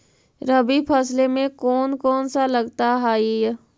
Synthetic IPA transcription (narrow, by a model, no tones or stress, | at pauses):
ɾəbipʰəslemẽkɔːnkɔːnsalɐɡt̪aɦaːij